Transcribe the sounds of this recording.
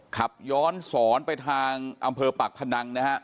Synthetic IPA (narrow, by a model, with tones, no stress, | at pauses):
kʰa˨˩p̚jɔː˦˥nsɔː˩˦npa˧jt̪ʰaː˧ŋʔa˧mpʰɤː˧pa˨˩k̚pʰa˧na˧ŋna˦˥ha˦˥ʔ